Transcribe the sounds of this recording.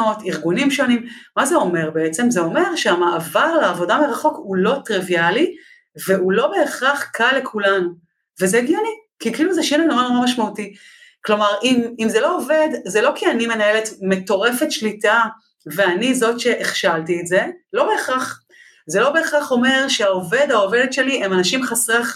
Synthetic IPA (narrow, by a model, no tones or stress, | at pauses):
otiʁɡunimʃo̞nimːazeo̞me̞ʁbeet͡se̞mzeo̞me̞ʁʃeamaʔavaʁlaːvo̞dameʁaχo̞kulo̞tʁiviali | ve̞ulo̞be̞ːχaχkalːe̞kʰulanu | vezeɡjonikikiluzeʃinanomanomamaʃmauti | klo̞maʁimimzelo̞ove̞d̪zelokianime̞nae̞letme̞t̪o̞ʁe̞fe̞tʃlita | veanizo̞tʃeʔeχʃaltietze̞lo̞be̞ːχaχ | zelo̞be̞ːχaχo̞me̞ʁʃeaove̞daove̞detʃe̞liʔemanaʃimχasʁaχ